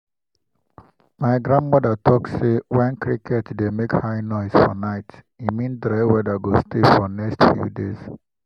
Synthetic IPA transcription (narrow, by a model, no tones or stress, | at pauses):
maɪɡɾãndmɔdətʰɔkssewɛ̃nkʰɾikʰɛtdemekhaɪnɔɪz̥fɔ̰naɪt | imĩndɾɛwɛdaɡostefɔnɛkstfjṵdḛz̥